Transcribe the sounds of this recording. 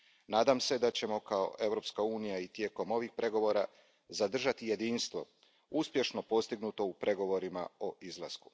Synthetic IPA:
naːd̪amse̞d̪at͡ɕe̞mo̞kao̞̰ʔe̞vɾo̞pskauːnijait̪je̞ko̞mo̞ʋixpɾe̞ɡo̞ʋo̞ːɾa | zad̪r̩ʒat̪ije̞d̪iːnst̪ʋo̞̰ | uspje̞ʃno̞po̞st̪iɡnuːt̪o̞upɾʔe̞ɡo̞ʋo̞ɾima̰o̞ʔizlˠa̰sku̥

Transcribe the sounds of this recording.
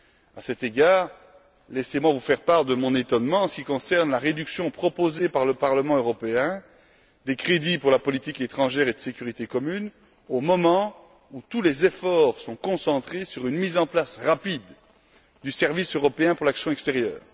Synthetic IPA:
asɛt̪eɡaːʁ | lɛsemwavufɛʁpaʁd̪əmɔ̃net̪ɔnmɑ̃ɑ̃sə̥kʲikɔ̃sɛʁnlaʁed̪yksjɔ̃pχɔpozepaʁləpaʁləmɑ̃øʁɔpeɛ̃ | d̪ekχed̪ipuʁlapɔlit̪iket̪χɑ̃ʒɛʁed̪əsekʲyʁit̪ekɔmyn | omɔmɑ̃ | ut̪ulezefɔʁsɔ̃kɔ̃sɑ̃t̪χesyʁynmizɑ̃plasʁapid̪ | d̪ysɛʁvisøʁɔpeɛ̃puʁlaksjɔ̃ɛkst̪eʁjœ̰ːʁ

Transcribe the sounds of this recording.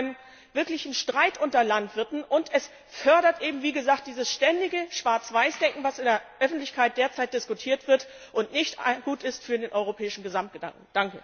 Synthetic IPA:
aɪnəm | vɪɐklɪçn̩ʃtʁ̥aɪtʔʊntɐlantv̥ɪɐtn̩ʔʊntɛs | fœɐɾɐtʔeːbm̩viːɡəzaːkt̚d̥iːzəsʃtɛndɪɡəʃv̥aɐt͡sv̥aɪsd̥ɛŋkŋ̩vasɪndeːɐʔœfn̩tlɪçkaɪt̚d̥eːɐt͡saɪt̚d̥ɪskutʰiːɐtv̥ɪɐtʔʊntnɪçtɡuːtɪstfyːɐdeːnʔɔʏʁ̞opʰɛːɪʃn̩ɡəzamt̚ɡ̥əd̥a̰ŋk̚ŋ̩d̥aŋkə

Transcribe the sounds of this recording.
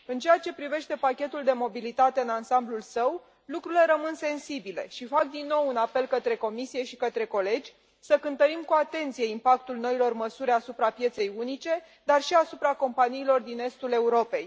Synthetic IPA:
ɨnt͡ʃe̞jat͡ʃe̞pɾive̞ʃt̪e̞pakʲe̞t̪uld̪e̞mo̞bilit̪at̪e̞ɨnansamblulsəw | lukɾuile̞ɾəmɨnse̞nsibile̞̰ʃifak̚d̪inːo̞wunape̞lkət̪ɾe̞ko̞misije̞ʃikət̪ɾe̞ko̞le̞d͡ʒʲ | səkɨnt̪əɾimkuat̪e̞nt̪sije̞impak̚t̪ulno̞ilo̞rməsuɾʲasupɾapje̞t̪se̞junit͡ʃe̞ | d̪arʃiasupɾako̞mpaniːlo̞rd̪ine̞st̪ule̞uɾo̞pe̞j

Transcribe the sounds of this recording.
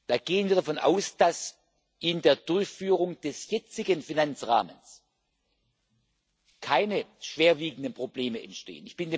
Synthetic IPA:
d̥aːɡeːənviːɐdafɔnʔa̰ʊsd̥as | ʔɪndeːɐdʊɐçfyːʁ̞ʊŋd̥ɛsjɛt͡sɪɡənfinant͡sʁa̰ːməns | kʰaɪnəʃv̥eːɐviːɡŋ̩dənpʁ̥obleːməɛ̰ntʃtḛːənɪçb̥ɪnde

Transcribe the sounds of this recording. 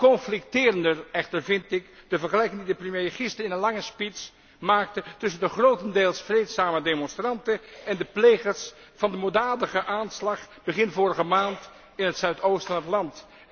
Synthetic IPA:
kɔnflɪk̚tɪːrəndərɛχtəɹvɪntɪkd̥əvəɹχəlɛjkɪŋdidəprəmjeχɪstəɹɪnənlɑŋəspits | maːk̚tətʏs̬əndəχrowtəndeːlˠsfrejtsaːmədemɔnstrɑntəɛndəplejχəɹs | fɑndəmodaːdəχəʔaːnslɑχb̥əχɪnvoːɾəχəmaːnt | ɪnɦətsœɥtowstfɑnətlɑnt

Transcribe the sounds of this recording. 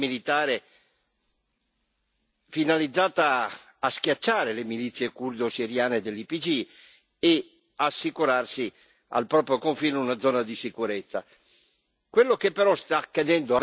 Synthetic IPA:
milit̪aːɾe | finalid̪zːaːt̪aː | sk̟jat͡ʃːaːɾelemilit̪sːjekurd̪osiɾjaːned̪elːipid͡ʒi | e | asːikuɾarsi | a̰lpɾɔːpɾjokoɱfiːneunad̪zːɔːnad̪isikuɾet̪sːa̰ | kwelːokepːeɾɔst̪akːad̪ɛnd̪o

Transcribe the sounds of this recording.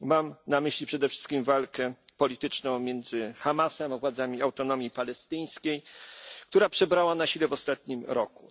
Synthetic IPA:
mamnamɘɕlʲipʂɛd̪ɛfʂɘ̥st̪kʲimvalkɛpɔlʲit̪ɘt͡ʂnɔ̃w̃mʲjɛnd̪zɘxamasɛmavwad̪zamʲiawt̪ɔnɔmʲjipalɛst̪ɘj̃skʲejkt̪uɾapʂɛbɾawanaɕilɛvɔst̪at̪̚ɲimɾɔkṵ

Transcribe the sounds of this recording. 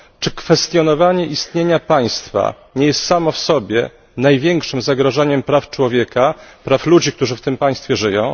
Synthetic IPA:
t͡ʂɘkfɛst̪jɔnɔvaɲɛʔist̪ɲeɲapaj̃st̪fa̰ | ɲɛjɛst̪samɔfsɔbʲjɛ̰ | najvʲjɛŋkʂɘmzaɡɾaʐaɲɛmpɾaft͡ʂwɔvʲjɛkapɾaflud͡ʑikt̪uʐɘft̪ɘmpaj̃st̪fʲjɛʐɘjɔ̃w̃

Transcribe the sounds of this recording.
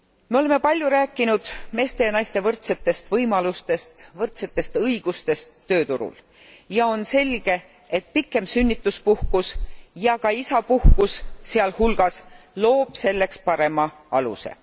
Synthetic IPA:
meo̞le̞me̞pɑlʲjuɾæːkːˑinud̪̥me̞ːst̪e̞jɑnɑjst̪e̞vɤrt̪se̞t̪ːˑe̞st̪vɤjmɑlust̪e̞st̪vɤrt̪se̞t̪ːˑe̞st̪ɤjɡ̥ust̪e̞st̪ːø̞ːt̪uɾṵl | jɑo̞nse̞lʲɡ̥e̞ | et̪̚pikːˑe̞msynʲːit̪ːˑuspuhkusjɑkɑisɑpuhkusseɑlhulɡ̥ɑs | lo̞ːb̥se̞lːe̞kspɑɾe̞mɑ | ɑlṵse̞̰

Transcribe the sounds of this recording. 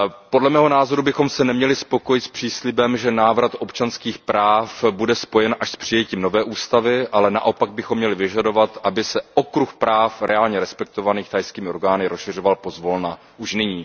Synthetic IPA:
po̞dlɛmɛːɦonaːzo̞ɾubɪxo̞msɛnɛmɲɛlɪspo̞kojɪt̪spr̝̥iːslɪbɛmʒɛnaːvɾat̪ʔo̞pt͡ʃanskiːxpɾaːfbudɛspo̞jɛnʔaʃspr̝̥ɪjɛciːmno̞vɛːʔuːst̪avɪʔalɛna̰ʔo̞paɡ̚bɪxomːɲɛlɪvɪʒado̞vat̪ʔabɪsɛʔokɾuxpɾaːfɾɛaːlɲɛɾɛspɛk̚t̪o̞vaniːxt̪ajskiːmɪʔo̞ɾɡaːnɪɾʔosʃɪr̝ovalpo̞zvo̞lna | ʔuʃnɪɲiː

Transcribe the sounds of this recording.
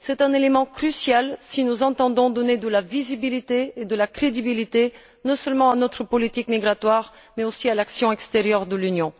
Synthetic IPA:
sɛt̪ɛ̃nelemɑ̃kχysjalsinuzɑ̃t̪ɑ̃d̪ɔ̃d̪ɔned̪əlavizibilit̪eːd̪əlakχed̪ibilit̪e | nɔ̃sœlmɑ̃anɔt̪χəpɔlit̪ikmiɡʁat̪waʁ | mɛosialaksjɔ̃ɛkst̪eʁjœʁd̪əlynjɔ̃

